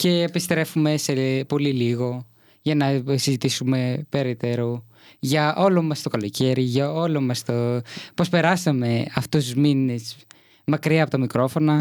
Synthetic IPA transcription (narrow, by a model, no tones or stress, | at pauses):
ce̞ːpist̪ɾe̞fume̞se̞po̞liliɣo̞ | ʝɐnɐsizit̪isume̞pe̞ɾet̪e̞ɾo | ʝɐʔo̞lomɐst̪o̞kɐlo̞ce̞ɾiʝɐo̞lomɐst̪opospe̞ɾɐsɐme̞ɐft̪ouzmine̞s | mɐkɾiɐːpot̪ɐmikɾo̞fo̞nɐ